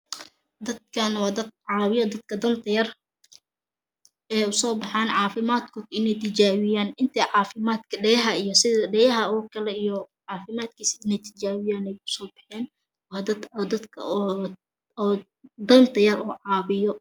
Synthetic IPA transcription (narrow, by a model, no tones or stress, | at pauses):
d̪ɐd̪̚kʰɐnwɑːd̪ɐd̪̚ʕɑːwɪjɔd̪ɐd̪kʰɐd̪ɐnt̪ʰɐjɐr | ɛːjʊsɔːbɑħɑːnʕɑːfɪmaːd̪kʰɔːd̪ɪnɛjt̪ʰɪt͡ʃaːwɪjaːnɪnt̪ʰɛːʕɑːfɪmaːd̪kʰɐɖɛjɐɦɐijɔsɪðɐɖɛjɐɦɐɔːkʰɐlɛijɔʕɑːfɪmaːd̪̚kʰiːsɪnɛjt̪ʰɪ̥t͡ʃaːwɪjaːnɛjʊ̥sɔːbɑħɛːn | wɑːd̪ɐd̪d̪ɐd̪kʰɐ̰ | d̪ɐnt̪ʰɐjɐruːʕɑːβɪjɔ